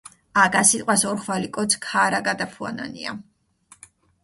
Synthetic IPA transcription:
aɡasit̪ʼwasɔɾχwalikʼɔt̪sʰkʰaɾaɡad̪apʰua̰na̰nḭa̰

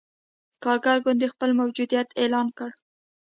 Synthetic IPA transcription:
kɑɾɡaɾɡʊnd̪əxpəlmawd͡ʒud̪ijat̪elɑnkəɽ

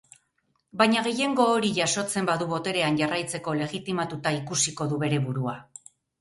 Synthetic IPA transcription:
bajɲaɣ̞e̞je̞ŋɡo̞ːɾiʝaso̞t͡se̞mbaðuβo̞t̪e̞ɾe̞anʝarajt͡se̞ko̞le̞ɣit̪imat̪ut̪aikusiko̞ðuβe̞ɾe̞βuɾua

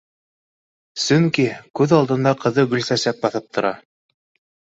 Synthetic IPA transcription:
sɵŋkikʉðɑlˠd̪ɤ̆nd̪ɑqɤ̆ðɤɡɵ̆lsæsæp̚bɑθɤp̚t̪ŏɾɑ

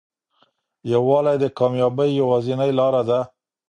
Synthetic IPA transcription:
jawɑlajd̪əkɑmjɑbəjːawɑzinəjlɑɾad̪a

